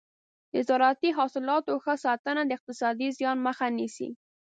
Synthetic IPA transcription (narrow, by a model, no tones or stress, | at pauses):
d̪əzɑɾɑt̪iɦɑsɪlɑt̪oxəsɑt̪ənad̪əɪq̚t̪ɪsɑd̪izjɑnməxanisḭ